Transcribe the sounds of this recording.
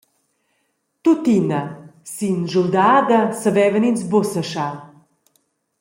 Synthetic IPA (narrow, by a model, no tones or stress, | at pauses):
t̪ut̪inɐsinʒuld̪aːd̪ɐsɐvɛːvəninsbosɐʃa